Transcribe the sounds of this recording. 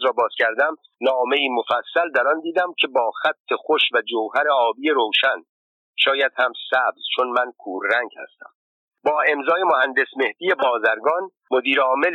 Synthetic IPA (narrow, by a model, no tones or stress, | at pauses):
ɾɒːbɒːz̥cʲʰæɾd̪æm | nɒːme̞iːmofæsːæld̪æɾɒnd̪iːd̪æmcʰe̞bɒːxæt̪ʰːe̞xoʃvæd͡ʒowɦæɾeɒːbiːjeɾowʃæn | ʃɒːjæd̪̥hæmsæbz̥t͡ʃʰo̞nmænkʰuːɾːæŋɟhæ̰st̪æ̰m | bɒːe̞mzɒːje̞mohænd̪e̞sme̞hd̪iːje̞bɒːzæɾɡɒn | mo̞d̪iːɾɒːme̞l